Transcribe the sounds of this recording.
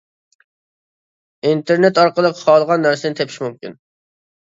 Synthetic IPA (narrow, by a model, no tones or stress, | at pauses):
int̪ʰeɾnet̪ɑɾqəlˠəqʰːɑlˠʁɑnːæɾsɪnɪt̪ʰepʰi̥ʃmumkʲin